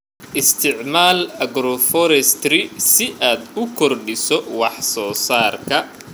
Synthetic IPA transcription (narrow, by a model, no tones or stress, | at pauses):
ʔɪst̪ʰɪʕmaːlɐɡɾɔfɔɾɛst̪rɪsɪʔaːd̪ʊkʰɔrɖɪsɔwɑħsɔːsaːrkʰɐ